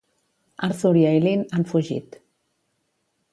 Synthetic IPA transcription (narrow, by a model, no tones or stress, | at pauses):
a̰ɾθuɾjaelinanfuʒḭt̪